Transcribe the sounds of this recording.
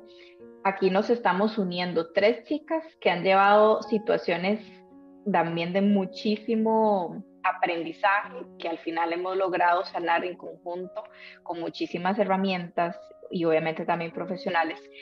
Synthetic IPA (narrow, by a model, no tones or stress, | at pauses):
akino̞se̞st̪amo̞sunje̞nd̪o̞t̪ɾe̞st͡ʃikaskeaɲd͡ʒe̞βaðosit̪wasjo̞ne̞s | t̪ambje̞nd̪e̞mut͡ʃisimo | apɾe̞nd̪isaxekealfinale̞mo̞zlo̞ɣɾað̞o̞salaɾeŋko̞ŋxunt̪o̞ko̞ŋmut͡ʃisimase̞ramjẽ̞nt̪as | io̞βjamẽ̞nt̪e̞t̪ambje̞mpɾo̞fe̞sjo̞nale̞s